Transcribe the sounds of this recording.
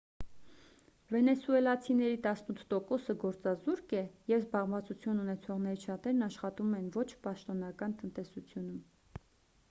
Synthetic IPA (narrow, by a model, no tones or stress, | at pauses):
vɛnɛsuɛlɑt͡sʰinɛɾit̪ɑsnut̪ʰt̪ɔkɔsəɡɔɾt͡sɑzuɾkɛjɛvzbɑʁmvɑt͡sut͡sʰjununɛt͡sʰɔʁn̪ɛɾit͡ʃʰɑt̪ɛɾnɑʃχɑt̪umɛnvɔt͡ʃʰpɑʃt̪ɔnɑkɑnt̪ənt̪ɛsut͡sʰjunum